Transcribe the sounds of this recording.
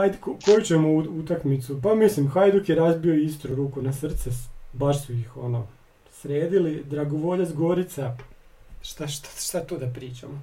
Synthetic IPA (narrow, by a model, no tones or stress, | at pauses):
ajd̪kko̞jut͡ɕemout̪akmit̪supamislimxajd̪ukjeɾazbioiist̪ɾuɾuːkunasr̩t̪sebaʃsujixo̞no | sɾe̞ːd̪ilid̪ɾaɡoʋo̞ʎat̪sɡo̞ɾit̪sa | ʃt̪aʃt̪ḁʃt̪at̪oːd̪apɾiːt͡ʃamo